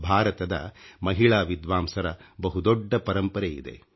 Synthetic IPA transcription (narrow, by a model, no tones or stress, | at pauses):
bʱaːɾɐt̪ɐd̪ɐ̰mɐɦiɭaːʋid̪ʋaːmsɐɾɐbɐɦud̪ɔɖːɐpɐɾɐmpɐɾeḭd̪e̞̰